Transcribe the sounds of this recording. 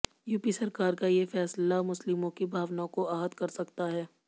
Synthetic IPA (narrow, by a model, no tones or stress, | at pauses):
juːpisɐɾkaːɾkajefɛːslamʊslɪmõkibʱaːʋnaokoaːɦət̪kɐɾsɐkt̪aɦɛː